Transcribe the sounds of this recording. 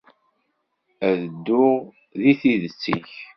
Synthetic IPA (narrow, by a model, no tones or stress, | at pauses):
æðəd̪ːu | ðiθiðət͡sːḭç